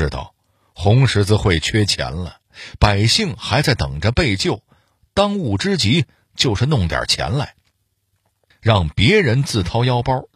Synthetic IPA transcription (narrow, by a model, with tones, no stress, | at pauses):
ɻ̩˥t̪ɑ̰˥˨˩ʊ | xʊ˧˥ŋʂɻ̩˧˥t͡sɹ̩˧xwe˥˩ɪt͡ɕʰɥɛ˥t͡ɕʰjɛ̰˧˥nlə˧ | pa˨˩ɪɕi˥˩ŋxa˧˥ɪt͡sa˥˩ɪt̪ɤ˨˩ŋʈ͡ʂə˦pe˥˧ɪt͡ɕjo˥˩ʊ | t̪ɑ˥ŋu˥˩ʈ͡ʂɻ̩˥t͡ɕi˧˥ | t͡ɕjo˥˧ʊʂɻ̩˥˧nʊ˥˩ŋt̪jɐ̰˨˩t͡ɕʰjɛ̰˧˥nla̰˧˩ɪ | ɻɑ˥˩ŋpjɛ˧˥ɻə˧˥nt͡sɹ̩˥˩t̪ʰɑ˥ʊjɑ˥ʊpɐ˥